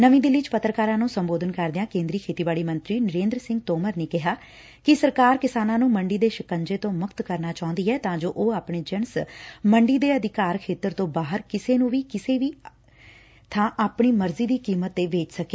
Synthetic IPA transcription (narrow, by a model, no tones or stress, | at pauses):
nəʋĩːd̪ɪlːiːt͡ʃpət̪ɾəkaːɾãːnũːsəmboːd̪ənkəɾd̪ɪjãːkẽːnd̪ɾiːkʰeːt̪iːbaːɭiːmə̃nt̪ɾiːnəɾẽːnd̪ɾəsɪ̃ŋɡ̚t̪oːməɾneːkɪɦaː | kɪsəɾkaːɾkɪsaːnãːnũːməɳɖiːd̪eːʃɪkəɲd͡ʒeːt̪õːmʊkt̪kəɾnaːt͡ʃaːʊ̃nd̪iːɛːt̪ãːd͡ʒoːʔoːaːpɳeːd͡ʒənsməɳɖiːd̪eːəd̪ɪkaːɾkʰeːt̪əɾt̪õːbaːɦəɾkɪseːnũːʋiːkɪseːʋiː | t̪ʰãːʔaːpɳiːməɾziːd̪iːkiːmət̪ːeːʋeːt͡ʃsəkeː